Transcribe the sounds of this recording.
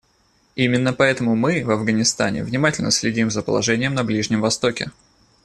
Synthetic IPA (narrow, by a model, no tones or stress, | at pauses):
imʲɪnːəpɐɛt̪əmʊmɨvɐvɡənʲɪst̪a̰nʲɪ̰vnʲɪmatʲɪlʲnəsʲlʲɪdʲimzəpəlˠɐ̰ʐɛnʲɪjəmnɐblʲiʐnʲɪmvɐst̪o̞kʲɪ̰